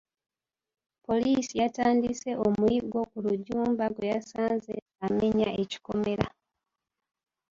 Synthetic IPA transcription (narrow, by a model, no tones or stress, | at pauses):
po̞lisijataːndise̞ʔomuiɡo̞kuluɟuːmbaɡwejasaːnze̞ | ame̞ɲaeci̥ko̞meɾa